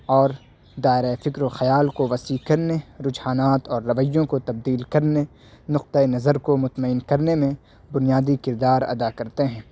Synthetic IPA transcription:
ɔːɾ | d̪aːɪɾaefɪkɾoxɐjaːlkoʋɐsiːkɐɾneɾʊd͡ʒhaːnaːt̪ɔːɾːɐʋəjːõkot̪ɐb̚d̪iːlkɐɾne | nʊq̚t̪əenɐzəɾkomʊt̪məɪnkɐɾnemẽ | bʊnijaːd̪ikɪɾd̪aːɾɐ̰d̪akɐɾt̪eɦɛ̃ː

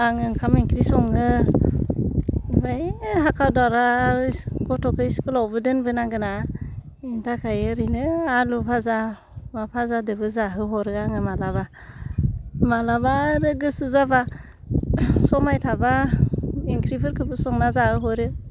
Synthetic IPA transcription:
aŋɯŋkʰamiŋkɾisɔŋɯ | bajɦakʰadaɾa | kɔtʰɔkʰɯjskɯlawbɯdɯnbɯnaɡɯna | intʰakʰajɯɾinɯalupʰaza | mapʰazadɯbɯzaɦɯɦɔɾɯɡaŋɯmalaβa | malabaɾɯɡɯsɯzaba | sɔmajtʰaba | iŋkɾipʰɯɾkʰɯbɯsɔŋnazahɯɦɔɾɯ

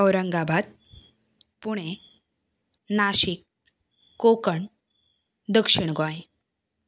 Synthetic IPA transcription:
əwɾəŋɡabʱat̪̚ | puɽ̃e | naɕikː | okəɳ | d̪əkʂiɳ̃ɡʱɔj

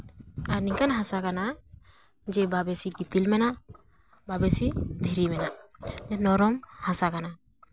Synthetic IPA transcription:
aɾniŋkanɦãsakana | d͡ʒɛbabɛsiɡit̪ilmɛnaʔ | babɛsid̪ʱiɾimɛnaʔd͡ʒɛnɔɾɔmhasakana

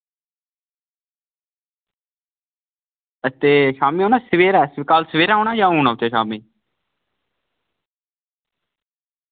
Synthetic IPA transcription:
ət̪eːʃaːmiːɦoːñaːsəʋeːɾaːskaːlsəʋeːɾaːɦoːɳaːjãːoːnãːʊt͡ʃeːʃaːmiː

